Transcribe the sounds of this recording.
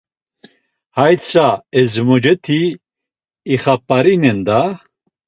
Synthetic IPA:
hajt͡saɛzmɔd͡ʒɛt̪ʰiː | χapʼːaɾinɛnd̪a

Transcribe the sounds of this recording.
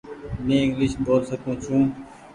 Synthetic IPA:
mẽːɪŋɡlɪʃboːlsəkũːt͡ʃʰũː

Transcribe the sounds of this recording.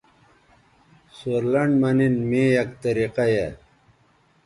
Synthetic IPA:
soɾlɐɳɖmɐninmiːjɐkt̪ɐɾiqaje

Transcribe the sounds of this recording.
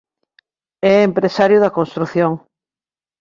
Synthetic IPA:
ɛempɾesaɾjʊðɐkonst̪ɾuθjoŋ

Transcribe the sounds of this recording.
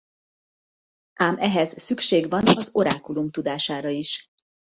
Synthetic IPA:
ʔaːmɛɦɛz̥sykʃeːɡʋɒnɒzo̞ɾaːkulumt̪ud̪aːʃaːɾɒiʃ

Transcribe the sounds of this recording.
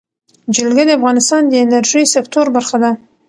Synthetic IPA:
d͡ʒɪlɡʲad̪eafʁɑnɪst̪ɑnd̪eeneɾʒisekt̪ʰoɾbaɾχad̪a

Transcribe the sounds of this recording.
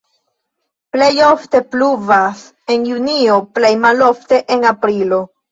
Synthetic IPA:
ple̞jo̞fte̞pluvas | e̞njunio̞ple̞jmalo̞fte̞ʔenapɾilo̞

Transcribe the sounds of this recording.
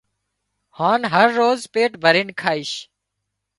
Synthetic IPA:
hãːnɦəɾːoːzpeːʈbʱəɾɪnkʰaːɪʃ

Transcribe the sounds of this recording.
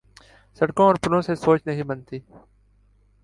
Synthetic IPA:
səɽkõːɔːɾpʊnõːseːsoːt͡ʃnəɦĩːbənt̪iː

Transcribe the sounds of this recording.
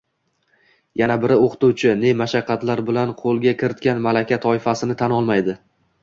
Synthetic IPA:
janabɪɾɪoqʰt̪uwt͡ʃʰɪne̞maʃɑqʰːɑt̪laɾbɪlanqʰolˠɡʲakʲɪɾɪt̪̚kʲanmalakʲʰat̪ʰɒɪfasɪnɪt̪ʰanɒlˠmajd̪ɪ

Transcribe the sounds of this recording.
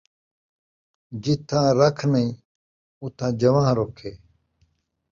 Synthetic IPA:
d͡ʑit̪ʰãːɾɐkʰnɐĩ | ut̪ʰãːd͡ʑɐʋãːɦɾoːkʰeː

